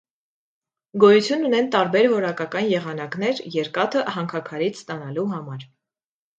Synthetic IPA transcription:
ɡɔjut͡sʰjunːunɛnt̪ɑɾbɛɾvɔɾɑkɑkɑnjɛʁɑn̪ɑknɛɾjɛɾkɑt̪ʰəhɑŋkʰɑkʰɑɾit͡sʰst̪ɑn̪ɑluɦɑmɑɾ

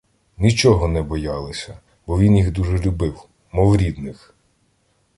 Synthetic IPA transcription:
nʲit͡ʃɔɦɔnɛbɔjɑlˠɪsʲɐ | bɔʋʲinjiɣd̪uʒɛlʲʊbɪw | mɔwɾʲid̪nɪx

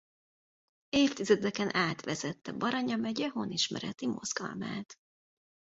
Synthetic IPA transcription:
eːft̪izɛd̪ɛkɛnʔaːt̪ʋɛzɛt̪ːɛbɒɾɒɲɒmɛɟɛɦoniʃmɛ̰ɾɛt̪imo̞̰z̥ɡɒ̰lma̰ːt̪

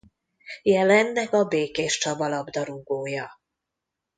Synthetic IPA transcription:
jɛlɛnːɛkɒbeːkeːʃt͡ʃɒbɒlɒbd̪ɒɾuɡoːjɒ

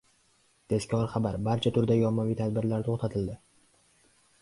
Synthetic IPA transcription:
t̪ʰe̞skʲʰɒɾχabaɾbaɾt͡ʃʰat̪ʰʊɾd̪ajɒmːavijt̪ʰad̪̚bɪɾlaɾt̪ʰoχt̪ʰat̪ʰɪld̪ɪ

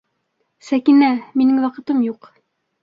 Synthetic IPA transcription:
sækinæminɘŋwɑqɤ̆t̪ɤmjuq

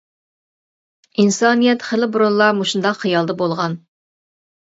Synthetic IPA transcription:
insɑnijɛt̪χəlɪbuɾunlˠɑmuʃund̪ɑqχijɑlˠd̪ɑbolˠʁɑn

